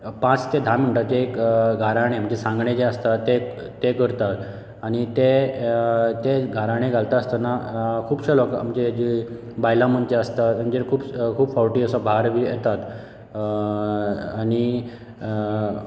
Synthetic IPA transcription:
pãt͡st̪ed̪ʱaməɳʈ̪at̪̚d͡ʑekɡʱaɾaɽ̃em̤əɳd͡ʑesãŋɡɳẽd͡ʑeəst̪at̪ːe | t̪ːeɡəɾt̪at̪ | aɽ̃it̪e | t̪eɡʱaɾaɽ̃eɡʱalt̪aəst̪anakʰuːbɕəloka̰m̤əd͡ʑed͡ʑi | bajlãm̤əɳd͡ʑeəst̪at̪ad͡ʑeɾkʰuːbkʰuːbfawʈiəsəbʱaɾʋijɛt̪at̪ | aɽ̃i

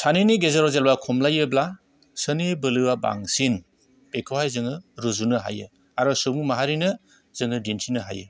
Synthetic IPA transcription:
sʰaniniɡezeɾɔzelbakʰɔmlajɯbla | sɯnibɯlɯwaba̰ŋsin | pekʰɯwajzɯŋɯɾuzunɯɦa̰jɯ | aɾɔsubmaɦaɾinɯ | z̥ɯŋɯdinsʰinɯɦa̰jɯ̰

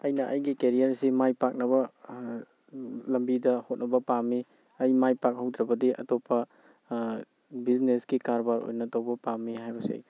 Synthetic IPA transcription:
ɐjnɐʔɐjɡikeɾijaɾsimajpak̚nɐbɐ | lɐmbidɐhot̚nɐbɐpamːi | ɐjmajpak̚hɐwd̪ɾɐbɐdiʔɐ̰topʰːɐ | biznesɡikaɾbaɾo̰jnɐtɐwbɐpamːiɦajbɐsḛj

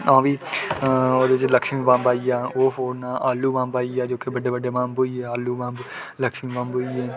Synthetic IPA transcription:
ãːʋiː | oːd̪et͡ʃləkʃmĩːʋãːmbaːiːaːoːfʰoːnaːʔaːlːuːʋãːmbaːiːaːd͡ʒoːkebəɖeːbəɖeːʋãːmboːiːɛːaːlːuːʋãːmb | ləkʃmĩːʋãːmbɦoːiɛː

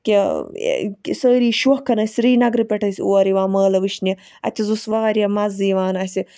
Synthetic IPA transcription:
kʲḛ | ksəːɾiːʃuhkɐnɐsʲɾiːnɐɡɾɨpeʈɐsʲiuɐɾiʋaːmɐːlɐʋɨʃni | ɐ̰t̪izusʋaɐɾʲjɐmɐziːʋaːnɐsʲi

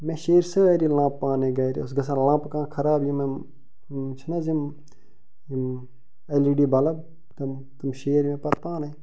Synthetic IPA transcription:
mẽʃeːɾsəaːjɾiːlãːpːãːnẽɡaːjɾḭʊs̬ɡɐs̬ãːlãːpkãːkʰɐɾaːbim | t͡ʃʰnazim | im | ɐliɖiːbɐlɐb | t̪ɐm | t̪umʃeːɾmẽːpɐɾpãːne

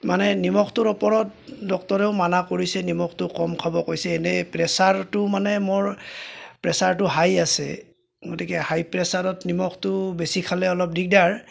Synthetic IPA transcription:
manɛnimɔkʰtʊɹɔpɔɹɔt̚dɔk̚tɔɹɛʊmanakoɹisɛnimɔktʊkɔmkʰabɔkojsɛːnɛpɹɛsaɹtʊmanɛmoɹpɹɛsaɹtʊɦajasɛ̰ | ɡotikɛhajpɹɛsaɹɔtnimɔktʊbesikʰalɛɔlɔp̚dik̚daɹ

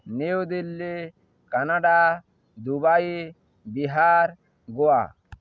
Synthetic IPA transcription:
neud̪ilːi | kanaɖa | d̪ubaji | biɦaɾ | ɡɔa̰

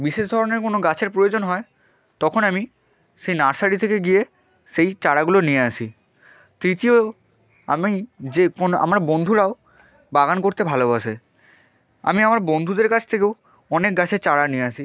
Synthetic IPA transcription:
biʃeʃd̪ʱɔɾoneɾkonoɡat͡ɕʰeɾpɾojod͡ʑonɦɔe | t̪ɔkʰonami | ʃejnaɾsaɽit̪ʰekeɡie | ʃejt͡ɕaɽaɡulonijeaʃʰi | t̪ɾit̪io | a̰mid͡ʑekona̰maɾbond̪ʱuɾao | baɡankoɾt̪ebʱalobaʃe | a̰miamaɾbond̪ʱud̪eɾkat͡ɕʰt̪ʰekew | ɔnek̚ɡat͡ɕʰeɾt͡ɕaɽanieaʃʰi

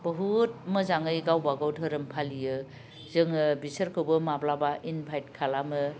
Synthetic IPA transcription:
b̥əɦut̚mɯzaŋɯjɡawbaɡawtʰɯɾɯmpʰalijɯ | zɯŋɯbisəɾkʰɯwbɯmablabaʔinbʱajt̚kʰalamɯ

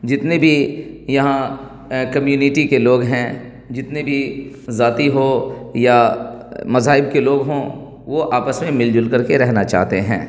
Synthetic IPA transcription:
d͡ʒɪt̪nebʱijɐɦã | kɐmjuːnɪʈikeloːɡɦɛ̃ː | d͡ʒɪt̪nebʱi | zaːt̪iɦoja | mɐzaːɪb̚keloːɡɦõː | ʋoʔaːpəsmẽmɪld͡ʒʊlkəɾkeɾɛɦnat͡ʃa̰ːɦt̪eɦɛ̰̃ː

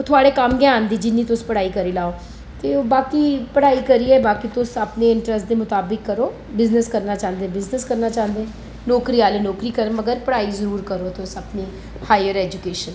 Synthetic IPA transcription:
ot̪ʰʊaːɽeːkəmɡjãːnd̪iːd͡ʒɪnːiːt̪ʊspəɽaːiːkəɾiːlaːoː | t̪eːoːbaːkiːpəɽaːiːkəɾiːɛːbaːkit̪ʊsapneːɪɳʈɾəsʈd̪eːmʊt̪aːbɪkːəɾoː | bɪznəskəɾnaːt͡ʃãːnd̪eːbɪznəskəɾnaːt͡ʃãːnd̪eː | nɔːkɾiːaːlenɔːkɾiːkəɾməɡəɾpəɽaːiːzəɾuːɾkəɾoːt̪ʊsəpniː | haːjəɾɛːd͡ʒukeːʃən

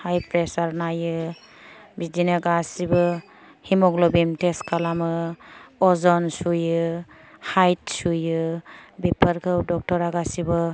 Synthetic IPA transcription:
hajpʰɾesaɾnajɯ | bidinaɡasibɯ | himɔɡlɔbimteskʰalamɯ | ɔzɔnsujɯ | hajt̚sujɯbipʰɯɾkʰɯwdɔk̚tɔɾaɡasibɯ

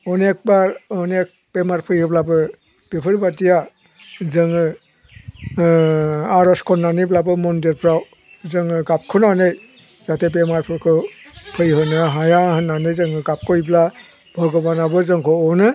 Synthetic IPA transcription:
ɔnek̚baɾɔnek̚pemaɾpʰɯjhɯblabɯ | b̥epʰɯɾbatija | zɯŋɯ | aɾɔskʰɔnːaniblabɯmɔndeɾpʰɾaw | zɯŋɯɡap̚kʰɯnanɯj | zatʰep̬emaɾpʰɔɾkʰɯpʰɯjɦɯnɯɦajahɯnːanɯjzɯŋɯɡap̚kʰɔjbla | bʱɔɡɔbanabɯzɯŋkʰɔɔnɯ

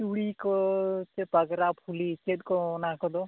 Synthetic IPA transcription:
t͡ʃuɽikɔt͡ʃepəɡɾapʰulit͡ʃed̪̚kɔnakɔd̪ɔ

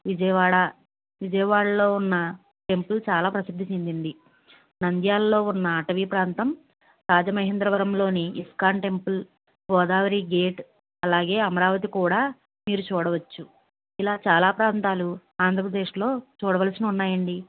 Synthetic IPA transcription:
ʋid͡ʒɐjɐʋaːɽɐ | ʋid͡ʒɐjɐʋaːɽɐlo̞ːunːɐ | ʈe̞mpult͡ʃaːlaːpɾɐsid̪ʱːit͡ʃind̪iɳɖ̪i | nɐnd̪jaːlːo̞ːunːɐːʈɐʋiːpɾaːnt̪ɐm | ɾaːd͡ʒɐmɐɦend̪ɾɐʋɐɾɐmlo̞ːniːskaːɳʈe̞mpul | bɔːd̪aːʋɐɾiːɡeːʈ | ɐlaːɡe̞ːɐmɐɾaːʋɐt̪ikuːɽaː | miːɾut͡ʃuːɽɐʋɐt͡ʃːu | ilaːt͡ʃaːlaːpɾaːnt̪aːluaːnd̪ɾɐpɾɐd̪e̞ːʂlo̞ːt͡ʃuːɽɐʋɐːlɐsiniunːaːjɐɳɖi

